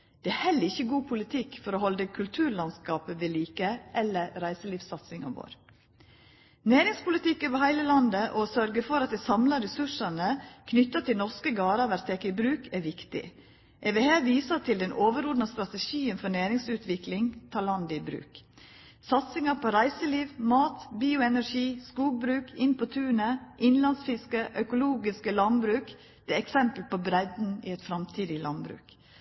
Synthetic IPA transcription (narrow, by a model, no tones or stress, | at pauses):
d̪̥ɛæhɛlːəɪçːəɡuːpʰʊlɪt̪ʰɪkːfɔɾoːhɔld̪əkʰʉlt̪ʰʉːɾlɑnskɑːpəʋɪliːkəʔɛlːəɾɾæɪsəliːfsɑt̪sɪŋɑʋo̰ːɾ | neːɾɪŋspʊlɪt̪ɪkːøːʋəhæɪləlɑnd̪əʔɔsœɾɡəfɔɾɑt̪̚d̪ɛsɑmlɑɾɛsʉʂɑnəkʰnʏt̪ːɑt̪ʰɪlnɔskəɡɑːɾɑʋæɾt̪ʰɛkːɪbɾʉːkʰæɾʋɪkt̪ɪ̰ | ʔɛʋeːheːʋiːsət̪ʰɪld̪ɛnʔoːʋəɾɔd̪nɑst̪ɾɑt̪ɛʃiːənfɔnæːɾɪŋsʉːt̪ʋɪklɪŋt̪ʰɑːɭɑnd̪ɪbɾʉ̰ːk | sɑt̪sɪŋɑpʰɔɾæɪsəliːʋmɑːt̪biːʊɛnæʂiːskuːɡ̚bɾʉːkɪnpʰɔt̪ʰʉːnəʔɪnlɑnsfɪskəʔœkʊluːɡɪskəlɑnbɾʉːk | d̪̥ɛːɛksɛmpəlpɔbɾɛd̪n̩ɪɛt̪fɾɑmt̪ʰiːd̪ɪlɑ̰nbɾʉ̰ːk